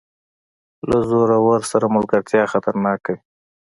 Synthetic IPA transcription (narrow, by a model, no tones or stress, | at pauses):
lazoɾawaɾsaɾamʊlɡaɾt̪jɑxat̪aɾnɑkawi